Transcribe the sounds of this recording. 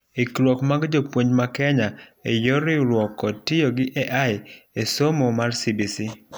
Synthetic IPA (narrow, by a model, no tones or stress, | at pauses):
ikɾwɔkmaɡd͡ʒopwoɲd͡ʒmakɛɲaejoɾɪɾwɔkɔtɪjoɡɪʔɛʔajesomomarsibisi